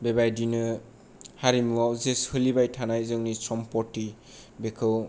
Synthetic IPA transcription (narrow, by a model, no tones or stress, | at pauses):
bebajdinɯ | haɾimuwawzeshɯlibajtʰanajzɯŋnisɔmpɔtːi | bekʰɯw